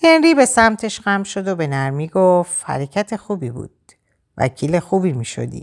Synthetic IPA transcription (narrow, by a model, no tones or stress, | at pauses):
henɾiːbe̞sæmt̪ʰe̞ʃɢæmʃo̞d̪obe̞næɾmiːɡofhæ̰ɾecʰæt̪ʰe̞xuːbibṵːd̪̥̚ | væ̰cʰiːle̞xuːbimiːʃo̰d̪ḭ